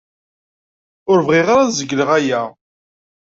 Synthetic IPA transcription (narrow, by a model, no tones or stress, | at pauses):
ʊɾvʁiʁaɾazəɡləʁæjæ